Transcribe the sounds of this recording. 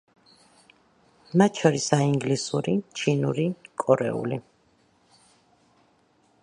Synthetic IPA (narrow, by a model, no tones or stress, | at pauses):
mat̪̚t͡ʃʰɔɾisaiŋɡlisuɾit͡ʃʰinuɾikʼɔɾɛ̰ṵli